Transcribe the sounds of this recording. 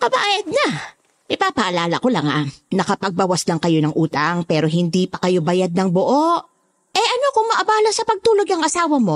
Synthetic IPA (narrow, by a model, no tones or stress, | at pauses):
kɐbajɐd̪̚nɐ | ɪpaːpɐʔɐlaːlɐko̞lɐŋa̰nɐkɐpɐɡ̚bɐwɐslɐŋkɐjo̞nɐŋʔuːt̪ɐŋpɛːɾo̞ɦɪnd̪iːpɐkɐjo̞bɐjad̪̚nɐŋboʔoʔ | ʔɛʔɐno̞koŋmɐʔɐbaːlɐsɐpɐɡ̚t̪uːloɡɐŋʔɐsaːwɐmo̞